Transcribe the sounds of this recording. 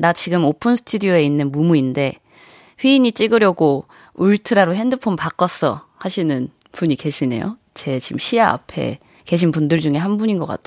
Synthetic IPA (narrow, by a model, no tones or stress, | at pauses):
nat͡ɕiɡɯmopʰɯnsʰɯ̥tʰudioe̞inːɯnmumuinde̞ | ɸwɥiiɲit͡ɕ͈iɡɯɾjʌɡo | uɭtʰɯɾaɾoɦe̞ndɯpʰompak͈ʌs͈ʌ | haɕʰinɯn | puɲike̞ɕʰine̞̰jo̰ | t͡ɕe̞t͡ɕimɕʰiaa̰pʰe̞̰ | ke̞ɕ̬ʰinpundɯɭd͡ʑuŋe̞ɦanbuɲinɡʌk͈a̰tʰ